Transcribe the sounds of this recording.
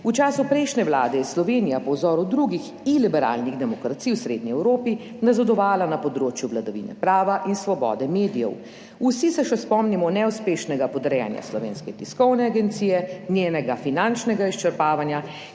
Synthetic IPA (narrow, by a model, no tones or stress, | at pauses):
ut͡ʃaːsupɾɛɪʃnɛwla̰ːd̪ɛjɛslɔʋeːnijapɔwzɔːɾud̪ɾuɡix | ilibɛɾa̰ːlniɣd̪ɛmɔkɾat̪siːwsɾeːd̪̚niɛwɾoːpi | nazad̪ɔʋaːlanapɔd̪ɾoːt͡ʃjuʋlad̪aʋḭːnɛ̰pɾaːʋaʔinsʋɔbɔ̰d̪ɛmeːd̪ijɛ̰w | usisɛʃɛspɔmnimɔnɛwspeːʃnɛɡapɔd̪ɾɛja̰nja̰slɔʋḛːnskɛt̪iskɔwnɛaɡɛnt̪siːjɛnjeːnɛɡafinant͡ʃnɛɡaiʃt͡ʃɛɾpaːʋanja